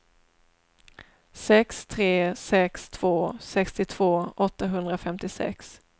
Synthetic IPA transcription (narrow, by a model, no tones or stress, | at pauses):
sɛkst̪ʰɾeːsɛkst̪ʰv̥oːsɛkst̪ɪt̪ʰv̥oːɔt̪ːaɦɵnd̪ɾafɛmt̪ɪsɛ̰ks